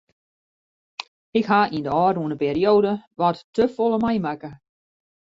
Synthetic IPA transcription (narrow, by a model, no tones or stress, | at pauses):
ɪkɦaʔindəɔːɾuənəpeːrioːdəʋɔtːəfolˠəmɛjmakə